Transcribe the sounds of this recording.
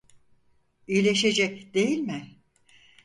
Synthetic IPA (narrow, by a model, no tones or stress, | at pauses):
ijlʲe̞ʃe̞d͡ʒɛcd̪̥e̞jilʲmɪ